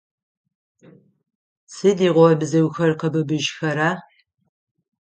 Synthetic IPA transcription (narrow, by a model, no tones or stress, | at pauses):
sɨdiːʁʷɔbɨzɐwxɐrqəbɨbɨʒxɐɾaː